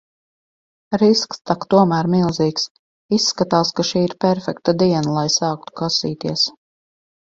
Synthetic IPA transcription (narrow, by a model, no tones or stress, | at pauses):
ɾiskst̪akt̪uɔmæːɾmilˠziːks | isːkat̪aːskaʃiːiɾpʲɛɾfɛk̚t̪ad̪iɛnalˠajsaːk̚t̪u̥kasiːt̪iɛs